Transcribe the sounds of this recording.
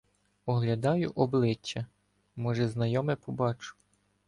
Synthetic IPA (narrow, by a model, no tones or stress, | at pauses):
ɔɦlʲɐd̪ɑjʊʔɔblˠɪt͡ʃːɐ | mɔʒɛznɐjɔmɛpɔbɑt͡ʃʊ̥